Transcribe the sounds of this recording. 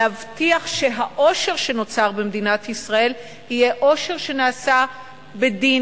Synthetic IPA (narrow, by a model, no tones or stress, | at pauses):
avtiaχʃe̞ɦaʔo̞ʃe̞ʁʃe̞no̞t͡saʁbemd̪inatisʁae̞l | hijeʔo̞ʃe̞ʁʃe̞naːsa | bedi